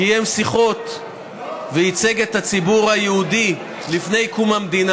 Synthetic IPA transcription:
ijemsiχo̞t̪ | veit͡se̞ɡet̪hat͡sibuʁhajehud̪i | lifne̞jkumhamd̪ina

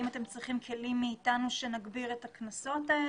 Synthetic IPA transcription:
imat̪e̞mt͡sʁiχimkʰe̞limːeːtanuʃe̞naɡbiʁe̞taknaso̞tae

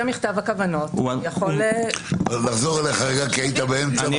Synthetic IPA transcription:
amiχtavakavanotjaχol | laχzo̞ʁeleχaʁeɡakait̪abeemt͡sa

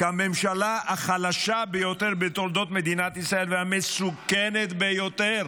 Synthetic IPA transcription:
ame̞mʃalaaχalaʃabejo̞t̪eʁbet̪o̞ld̪o̞t̪me̞d̪inat̪isʁae̞lvehamesukenet̪bejo̞t̪eʁ

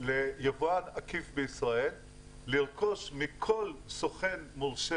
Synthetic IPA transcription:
lejavanakifbeisʁaelː | iʁko̞ʃmikʰo̞lsoχenmuʁʃe

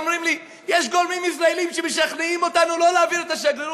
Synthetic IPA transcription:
mʁimli | jeʃɡolmimis̬ʁaelimʃemeʃaχneimo̞t̪anulo̞leːviʁet̪aʃeɡle

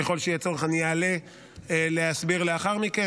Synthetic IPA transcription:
eχo̞lʃejet͡so̞ʁeχaniale̞ | lehasbiʁleaχaʁmike

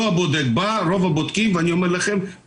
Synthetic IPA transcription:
vabod̪eɡ̚baɾo̞vabod̪kimveanio̞meʁlaχe̞m

